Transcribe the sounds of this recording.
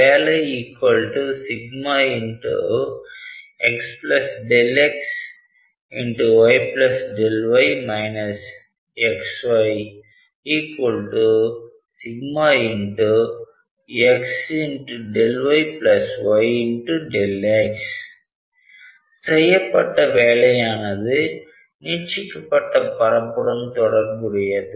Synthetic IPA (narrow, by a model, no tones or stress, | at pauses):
aleiːkwəlʈusiɡmaĩɳʈṵ | eksplɐsɖeleks | ĩɳʈuʋaɪplɐsɖelʋaɪmaɪnɐs | eksʋaɪ | iːkwəlʈu | sɪɡmaːɪɳʈu | ɛksɪɳʈuɖɛlʋɐɪplɐsʋɐɪɪɳʈuɖɛleks | sɛjɐpːɐʈːɐʋeːɭɐjaːnɐðɯ | niːt͡ʃːɪkːɐpːɐʈːɐpɐɾɐpːɯɽɐmt̪ɔɽɐɾmʊɽɪjɐðɯ